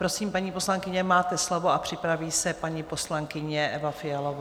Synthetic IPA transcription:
pɾo̞siːmpaɲiːpo̞slaŋkɪɲɛmaːt̪ɛslo̞voapr̝̥ɪpɾaviːsɛpaɲipo̞slaŋkɪɲɛʔɛvafɪjalov

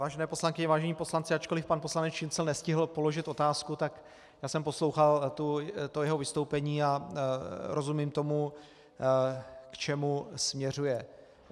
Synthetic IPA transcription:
vaːʒɛnɛːpo̞slaŋkɪɲɛvaːʒɛɲiːpo̞slant͡sɪat͡ʃko̞lɪfpanposlanɛt͡sʃɪnt͡sɛlnɛscɪɦl̩po̞lo̞ʒɪt̪o̞t̪aːskut̪ak | jaːsɛmpo̞slo̞wxalt̪ut̪ojɛɦo̞vɪst̪owpɛɲiːa | ɾʔo̞zumiːmt̪o̞mu | kt͡ʃɛmusmɲɛr̝ujɛ

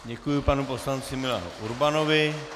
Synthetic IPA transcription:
ɲekujupanupɔslansimila̰nuɾbanoʋe

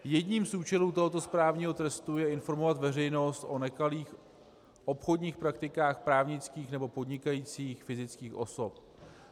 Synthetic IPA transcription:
jɛdɲiːmsʔuːt͡ʃɛluːt̪o̞ɦo̞t̪o̞spɾaːvɲiːɦo̞t̪ɾɛst̪ujɛɪnfo̞ɾmo̞vat̪vɛrɛjno̞st̪ʔo̞nɛkaliːx | ʔo̞pxo̞dɲiːxpɾak̚t̪ɪkaːxpɾaːvɲɪt͡skiːxnɛbo̞po̞dɲɪkajiːt͡siːxfɪzɪt͡skiːxʔo̞̰so̞p̚

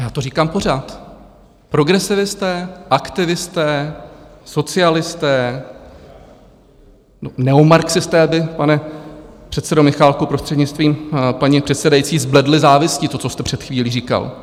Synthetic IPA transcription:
jaːt̪oriːkaːmpo̞ɾaːt̪ | pɾo̞ɡɾɛsɪvɪst̪ɛːʔakt̪ɪvɪst̪ɛː | so̞t͡sɪalɪst̪ɛː | onɛomaɾksɪst̪ɛːbɪpanɛpr̥ɛt̪sɛdomɪxaːlkupɾo̞st̪r̥ɛdɲɪt͡st̪viːmpaɲipr̝̥ɛt̪sɛdajit͡siːzblɛdlɪzaːvɪscɪt̪o̞t͡sost̪ɛpr̝̥ɛt̪xviːliːriːka̰l

